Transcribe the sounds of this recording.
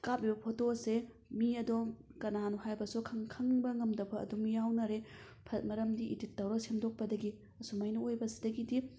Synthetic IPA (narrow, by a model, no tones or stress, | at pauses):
kap̚ibɐpʰotose | miɐdokɐnanuhajbɐsukʰɐŋkʰɐŋbɐŋɐmdɐpʰɐɐ̰dumjawnɐɾe | pʰɐt̚mɐɾɐmdiʔititːɐwɾɐsemdok̚pɐdɐɡi | ɐsumajnɐojbɐsi̥dɐɡidi